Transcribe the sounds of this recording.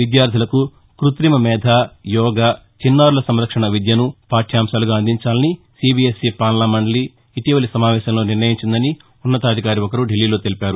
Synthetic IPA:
ʋid̪jaːɾd̪ʱilɐku | kɾut̪ɾimɐmɛːd̪ʱaːjɔːɡaː | t͡ʃinːaːɾulɐsɐmɾɐkʂɐɳɐʋid̪jɐnupaːʈʰijaːmʃaːluɡaːɐnd̪ʱiɲt͡ʃaːlɐni | siːbiːesipaːɾnlaːmɐɳɖɐliː | ʈiʋɐlisɐmaːʋɛːʃɐmlo̞ːniɾnɐjiɲt͡ʃind̪ɐni | unːɐt̪aːd̪ʱikaːɾiɔkɐɾuɖilːiːlo̞ːt̪elipaːɾu

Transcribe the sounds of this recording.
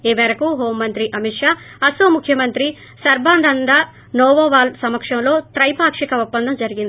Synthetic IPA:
eːmɛːɾɐkuɦoːmːɐnt̪ɾiʔɐmiʈʂaː | ɐsoːmukʰːjɐmɐnt̪ɾi | sɐɾbaːnd̪ʱɐnd̪a | noːʋoːʋaːlsɐmɐkʂɐmlo̞ːt̪ɾɐjpaːkʂikɐupːɐnd̪ʱɐmd͡ʒɐɾiɡind̪i

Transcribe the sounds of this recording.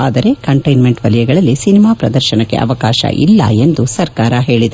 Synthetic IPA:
aːd̪ɐɾe̞kɐɳʈɐjnme̞ɳʈʋɐlijɛɡɐɭɐlːisinimaːpɾɐd̪ɐɾʃɐnɐkːe̞ʔɐ̰ʋɐkaːʃɐ̰ʔḭlːɐ̰e̞nd̪usɐɾkaːɾɐɦe̞ːɭid̪ɐ

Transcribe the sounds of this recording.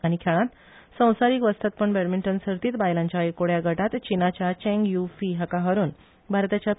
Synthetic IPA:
aɽ̃ikʰaɭãt̪ | sə̃w̃saɾiːkʋəst̪ʰat̪̚pəɳbeɾmiɳʈənsəɾt̪iːt̪bajlaɲt͡ɕjaekoɽjaɡʱəʈat̪t͡ɕinat͡ɕjat͡ɕɛ̃ŋɡjufiɦakaɦəɾuːn | bʱaɾt̪at͡ɕja

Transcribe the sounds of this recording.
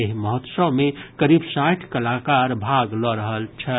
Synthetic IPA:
eɦməɦot̪səwmekəɾibsaʈʰkəlakaɾbʱaɡlɔɾəɦəlt͡ʃʰə

